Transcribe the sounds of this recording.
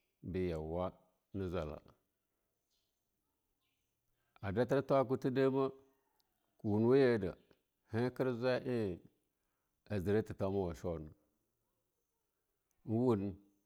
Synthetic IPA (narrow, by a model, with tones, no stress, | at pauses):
bi˨ja˨wa˦ | ni˦za˨la̰˨ | a˨da˦ti˦ɾta˦k̬u˦ti˦de˦ma˦ | ku˨wu˨n˨wa˦je˦˨da̰˨ | he˦ki˦ɾza˦ʔi˦˨ | a˨zi˨ɾa˦ti˨ta˦ma˦wa˨ʃo˦˨na˨ | n˦wu˦n˨